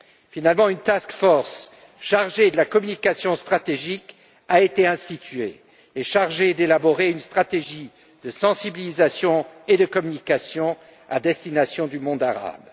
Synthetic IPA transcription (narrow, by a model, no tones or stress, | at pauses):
finalmɑ̃ynt̪askfɔʁs | ʃaʁʒed̪əlakɔmynikasjɔ̃st̪χat̪eʒik | aet̪eɛ̃st̪it̪ɥḛː | ʃaʁʒed̪elabɔʁeynst̪χat̪eʒi | d̪əsɑ̃sibilizasjɔ̃ed̪əkɔmynikasjɔ̃ | a̰d̪ɛst̪inasjɔ̃d̪ymɔ̃d̪aʁa̰b